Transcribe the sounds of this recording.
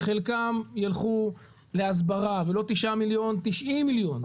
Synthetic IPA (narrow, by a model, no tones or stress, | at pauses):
χelkamjalχu | leas̬baʁavelo̞t̪iʃʔamiljo̞nt̪iʃʔimːiljo̞n